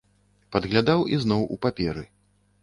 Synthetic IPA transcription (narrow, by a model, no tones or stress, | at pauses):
pɐd̪ɣlʲad̪awiznɔwṵpapʲɛɾɨ